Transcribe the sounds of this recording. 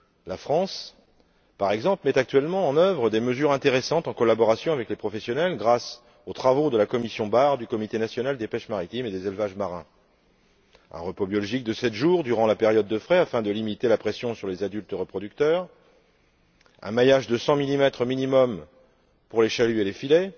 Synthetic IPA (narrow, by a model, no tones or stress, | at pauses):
lafχɑ̃s | paʁɛɡzɑ̃plmɛt̪ak̚t̪ɥɛlmɑ̃ːnœvʁəd̪eməzyʁɛ̃t̪eʁesɑ̃t̪ɑ̃kɔlabɔʁasjɔ̃avɛklepχɔfɛsjɔnɛlɡʁas | ot̪χavod̪əlakɔmisjɔ̃baʁd̪ykɔmit̪enasjɔnald̪epɛʃmaʁit̪imed̪ezelvaʒmaʁɛ̃ | ɛ̰̃ʁəpobjɔlɔʒik̚d̪əsɛt̪ʒuʁd̪yʁɑ̃lapeʁjɔd̪̚ːəfχɛafɛ̃d̪əlimit̪elapχesjɔ̃syʁlezad̪ylt̪ʁəpχɔd̪yk̚t̪œːʁ | ɛ̰̃majaʒd̪əsɑ̃milimɛt̪χəminimɔm | puʁleʃalyelefilɛ